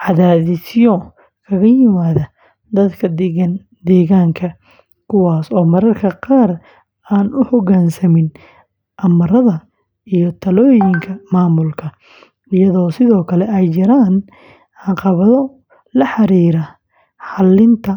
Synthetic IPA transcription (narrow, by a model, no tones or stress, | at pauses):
ʕɑðaːðɪsjɔ | kʰɐɣɐjɪmaːðɐ | d̪ɐd̪kʰɐd̪ɐn | d̪ɛːɣaːŋkʰɐ | kʰʊwɑːsɔːmɐɾɐrkʰɐqɑːr | aːnʔʊħɔɣaːnsɐmɪn | ʔɐmɐɾɐðɐ | ijɔt̪ʰɐlɔːjɪŋkʰɐmaːmʊlkʰɐ | ɪjɐðɔːsɪðɔːkʰɐlɛɛjt͡ʃɪɾaːn | ʕɑqɑβɐðɔ | lɐħɑɾiːɾɐ | ħɑlːɪnt̪ʰɐ